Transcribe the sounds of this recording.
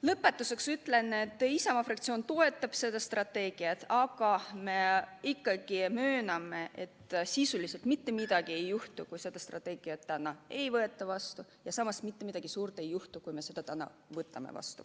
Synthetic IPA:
lɤpːe̞t̪ːˑuse̞ksyt̪le̞nːet̪ːˑisɑmɑfrɑkt̪sio̞ːnt̪o̞e̞t̪ːˑɑb̥se̞d̪̥ɑst̪rɑt̪ːe̞ːɡ̥iɑt̪ɑɡ̥ɑme̞ikːɑɡ̥imøːnɑmːe̞et̪ːsisulise̞lt̪mit̪ːe̞mid̪̥ɑɡie̞jːuht̪ukujse̞d̪̥ɑst̪rɑ̰t̪ːˑe̞ːɡ̥iɑt̪ːænɑe̞jvɤe̞t̪ːˑɑvɑst̪u | jɑsɑmɑsmit̪ːe̞mid̪̥ɑɡ̥isuːɾt̪ˑe̞jːuht̪ukujme̞se̞d̪̥ɑt̪ænɑ̰ | vɤt̪ːˑɑ̰mḛvɑ̰st̪u̥̰

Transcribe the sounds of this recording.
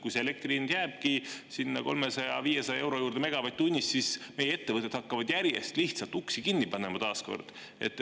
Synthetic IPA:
kujseelek̚t̪rinjæːb̥̚kisinːɑko̞̰lmesɑjɑ̰viːjesɑjɑe̞wɾo̞juːɾd̪̥eme̞ɡ̥ɑvɑjt̪t̪ːunʲːist̪sisme̞jee̞t̪ːe̞vɤt̪ːˑed̪hɑkːɑvɑd̪̥jæɾjḛst̪liht̪sɑlt̪ːˑuksikinːipɑne̞mɑt̪ɑːsko̞̰rd̪̥ | e̞̰t̪ːˑ

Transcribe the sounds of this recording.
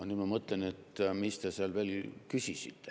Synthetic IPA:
oniːd̪mɑmɤt̪ˑlene̞t̪mist̪eseɑlve̞ːlkysʲisit̪ːe

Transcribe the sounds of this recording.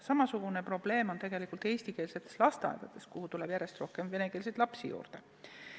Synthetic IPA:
sɑmɑsuɡ̥unepro̞b̥le̞ːmo̞nt̪e̞ɡ̥e̞likˑult̪e̞ːsʲt̪ike̞ːlse̞t̪ːˑeslɑst̪ɑ̰jd̪̥ɑd̪̥e̞skuhut̪uleb̥jæɾe̞st̪ro̞hke̞mve̞neke̞ːls̬et̪lɑpsijṵːrd̪̥e

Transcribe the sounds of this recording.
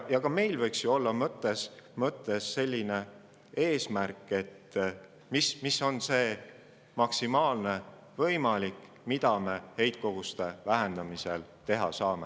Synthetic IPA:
jɑkɑme̞jlvɤjksjuo̞lːɑmɤt̪ːˑe̞smɤt̪ːˑe̞sːe̞lʲːine̞ | e̞ːsmæɾrkːˑe̞t̪ː | mismiso̞nse̞ː | mɑksimɑːlne̞ | vɤjmɑlʲikːˑ | mid̪ɑme̞he̞jt̪̚ko̞ɡ̥ust̪e̞væɦe̞nd̪̥ɑmiselt̪e̞ɦɑsɑːme

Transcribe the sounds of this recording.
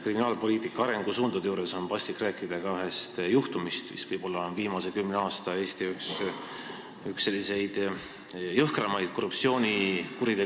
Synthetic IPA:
kriminɑːlpo̞liːt̪ˑikːˑɑɑɾe̞ŋɡ̥usuːnd̪̥ud̪juːɾe̞so̞npɑst̪ikːræːkːˑid̪̥ɑɡ̥ɑyɦe̞st̪juht̪umist̪mḭsvɤjb̥o̞lːɑnviːmɑse̞kymneɑːst̪ɑe̞ːst̪iyks | yksːe̞lːise̞jd̪̥ | jɤhkrɑmɑjd̪̥̚ko̞rːupsio̞ːnʲikuɾid̪e̞

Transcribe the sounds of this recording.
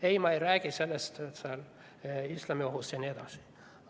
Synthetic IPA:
ejmɑejɾæːɡ̥ise̞lːest̪sɑl | islɑmioɦust̪jɑnied̪̥ɑsi̥

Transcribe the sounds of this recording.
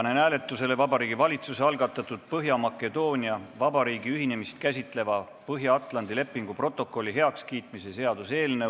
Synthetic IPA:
ɑnenæːle̞t̪ːˑuse̞le̞vɑbɑɾiːɡ̥ivɑlʲit̪suse̞ɑlɡ̥ɑt̪ːˑɑt̪ːˑud̪̥̚pɤɦjɑmɑkːˑe̞d̪o̞ːnʲiɑvɑbɑɾiːɡ̥iyɦine̞mist̪̚kæsʲit̪ˑle̞vɑ | pɤɦjɑɑt̪ˑlɑnd̪̥ile̞pːˑiŋɡ̥upro̞t̪ːˑo̞kːˑo̞lʲːiɦe̞ɑkskiːt̪misese̞ɑd̪use̞ːlne

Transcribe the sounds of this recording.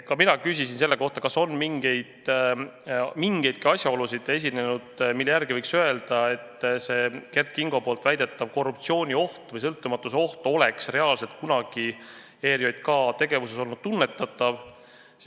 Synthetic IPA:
kɑminɑkys̬ʲisinse̞lːe̞ko̞ht̪ɑ̥kɑso̞nmiŋɡ̥e̞jd̪̥ | miŋɡ̥e̞jd̪̥̚kiɑsjɑo̞lusid̪e̞s̬ʲine̞nud̪̥milːejæɾɡivɤjksøe̞ld̪̥ɑe̞t̪ːse̞ke̞rt̪̚kiŋɡ̥o̞polt̪væjd̪̥e̞t̪ːɑv̥ko̞rːup̚t̪sio̞ːnʲio̞ht̪vɤjs̬ɤ̞lt̪ːˑumɑt̪ːˑuseo̞ht̪o̞le̞ksre̞ɑːlse̞lt̪̚kunɑɡ̥i | e̞ːɾijo̞jd̪̥̚kɑt̪e̞ɡ̥e̞vuseso̞lnud̪̥̚t̪unːe̞t̪ːˑɑt̪ːˑɑv

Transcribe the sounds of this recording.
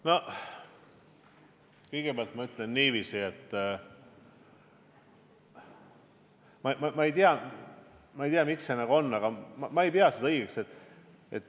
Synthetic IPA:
no̞ | kɤjɡ̥ebeɑlt̪mɑyt̪ːˑle̞nːiːviːsiet̪ːˑ | mɑmɑmɑe̞jt̪iɑ | mɑejt̪iɑmiksenɑɡuo̞nːɑɡ̥ɑmɑmɑe̞jpeɑsed̪ɤjɡekse̞t̪ːˑ | e̞t̪ː

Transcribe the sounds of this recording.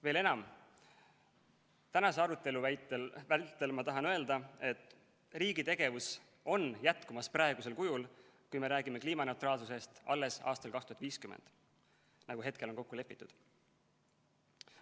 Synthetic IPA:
ve̞ːle̞nɑm | t̪ænɑse̞ɑɾut̪ːˑe̞luvæt̪evælt̪ːˑe̞lmɑt̪ɑɦɑnø̞e̞ld̪ɑe̞t̪ːˑ | riːɡit̪e̞ɡ̥e̞vus | o̞njæt̪kumɑsprɑeɡ̥use̞lkujul | kujme̞ɾæːɡ̥ime̞kliːmɑne̞wt̪ɾɑːlsusest̪ʔɑ̰lːe̞sɑ̰ːst̪ɑlkɑkst̪uhɑt̪viːskymḛnd̪̥ | nɑɡ̥uɦe̞t̪̚ke̞lo̞nko̞kːule̞pːˑi̥t̪ːˑud̪̥

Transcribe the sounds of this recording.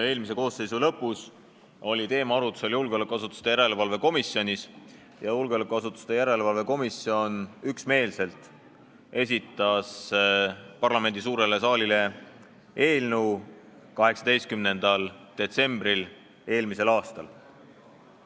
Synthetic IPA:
e̞ːlmis̬e̞ko̞ːsːe̞jsulɤ̞pːˑus | o̞lʲit̪e̞ːmɑɑɾut̪ːˑu̥se̞ljulɡeo̞lekːˑɑsut̪ːˑu̥st̪ejæɾe̞levɑlve̞ko̞misio̞nʲis | jɑjulɡeolekːˑɑsut̪ːˑu̥st̪ejæɾe̞levɑlve̞ko̞misio̞nyksme̞ːlse̞lt̪ˑ | e̞s̬ʲit̪ːˑɑs | pɑrlɑme̞nd̪isuːɾe̞le̞sɑːlile̞ | e̞ːlnuw | kɑɦe̞ksɑd̪̥e̞jst̪̚kymne̞nd̪̥ɑld̪̥e̞t̪se̞mb̥ɾil | e̞ːlmise̞lɑːst̪ɑl

